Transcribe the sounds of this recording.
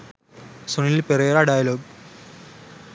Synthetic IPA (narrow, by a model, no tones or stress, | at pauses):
soniilperɐjɐɾaːɖaːjɐloːɡ̚